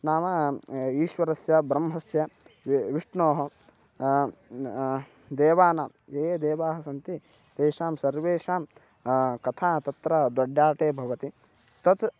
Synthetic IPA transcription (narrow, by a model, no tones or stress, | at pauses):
naːmɐiːʃʋɐɾɐsjɐbɾɐmɦɐsjɐʋiʂɳoːɦɐ | d̪eːʋaːnaːmeːd̪eːʋaːɦɐsɐnt̪i | d̪eːʃaːmsɐɾʋeːʂaːm | kɐt̪ʰaːt̪ɐt̪ɾɐd̪wɐɖjaːʈeːbʱɐʋɐt̪i | t̪ɐt̪